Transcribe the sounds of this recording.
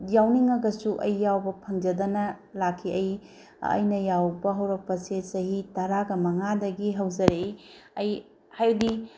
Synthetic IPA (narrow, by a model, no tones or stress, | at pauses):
jawniŋɐɡɐsuʔɐjːawbɐpʰɐŋd͡ʒɐdɐnɐlakʰːiʔɐj | ɐ̰jnɐjawbɐɦɐwɾɐk̚pɐsesɐhitɐɾaɡɐmɐŋadɐɡiɦɐwzɐɾe | ɐj | hajwdi